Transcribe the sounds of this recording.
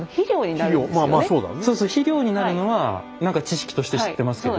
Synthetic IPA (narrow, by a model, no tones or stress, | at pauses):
çiɾʲoːɲinaiɾɾʲoːmaːmasoːd̪a̰nso̞ːsoːçiɾʲo̞ːɲ̟inaɾɯ̟no̞βa | nãŋkat͡ɕiɕi̥kʲi̥t̪o̞ɕi̥t̪e̞ɕiit̪ːe̞masɨ̥ked